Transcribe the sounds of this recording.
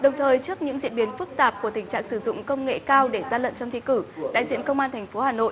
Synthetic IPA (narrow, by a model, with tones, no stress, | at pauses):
ɗə˨˩wŋ͡mt̪ʰəː˨˩jt͡ɕɨ˦˥ək̚ɲɨ̰˧˥ŋzḭ˧˨ənɓi˨˦ənfɨ˦˥k̚t̪aː˨˩p̚ku˧˩ət̪ï˩ŋ̟t͡ɕa̰ː˧˨ŋsɨ˧˩zʊ̰˧˨ŋ͡mkə˧wŋ͡mŋḛ˧˨kaː˧wɗe˧˩zaː˧lə̰˧˨nt͡ɕɔ˧ŋ͡mt̪ʰi˧˨kɨ˧˩ɗa̰ː˧˨jzḭ˧˨ənkə˧wŋ͡mʔaː˧nt̪ʰɛ˨˩ŋ̟fo˨˦haː˨˩no̰˧˨ʔ